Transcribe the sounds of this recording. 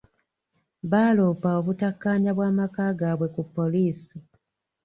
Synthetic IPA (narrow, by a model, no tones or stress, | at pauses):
βaːloːpao̞βutakːaːɲaβwaːmakaːɡaːβwe̞kupːo̞liːsi